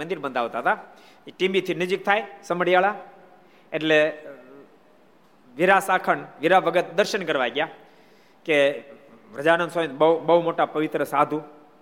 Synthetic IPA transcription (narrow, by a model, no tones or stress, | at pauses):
ənd̪iɾbənd̪ʱaʋt̪aɦt̪a | iʈibit̪ʰinəd͡ʒik̚t̪ʰajsəməɽjaɭa | eʈle | ʋiɾasakʰəɳʋiɾaʋəɡət̪̚d̪əɾʃənkəɾʋaɡja | ke | ʋɾəd͡ʒanənsonbəubəɦumoʈapəʋɪt̪ɾəsad̪ʱu